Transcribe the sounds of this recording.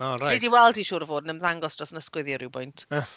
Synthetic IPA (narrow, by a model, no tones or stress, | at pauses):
ɔɾaediwɛlˠdiʃuːɾəvoːdnəmðaŋɡɔsd̥rɔsnəskwɪðjəɾɪwbɔjntʰa